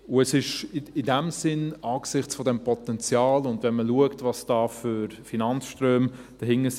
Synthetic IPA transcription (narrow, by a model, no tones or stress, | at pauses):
ʊɛsɪʃɪdɛmsɪnɑːksɪχt͡sfɔdɛmpɔtɛnt͡sjɑːlʊndvɛnməluəktvɑsd̥ɑːfyɾfinɑnsʃtrøːmd̥ɛhɪŋːəs